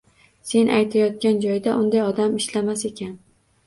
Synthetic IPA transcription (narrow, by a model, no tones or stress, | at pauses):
se̞nʔajt̪ʰajɒt̪̚kʲand͡ʒɒjd̪aʔʊnd̪ajɒd̪amɪʃlamase̞kʲʰan